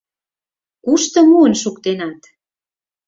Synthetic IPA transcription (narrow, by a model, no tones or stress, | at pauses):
kuʃt̪ɤ̆muənʃukt̪enɑt̪